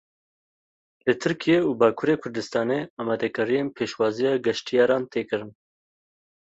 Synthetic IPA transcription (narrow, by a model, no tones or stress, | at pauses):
lɨt̪ʰɨɾkʰijeuːbɑːkʰuːɾeːkʰʊɾd̪ɨst̪ɑːneɑːmɑːd̪ɛkɨɾijeːnpʰeːʃwɑːzijɑːɡɛʃt̪ijɑːɾɑːnt̪eːkɨɾɨn